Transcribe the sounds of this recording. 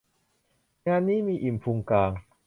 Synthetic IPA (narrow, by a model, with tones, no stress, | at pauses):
ŋaː˧nːiː˦˥˩miː˧ʔi˨˩mpʰu˧ŋkaː˧ŋ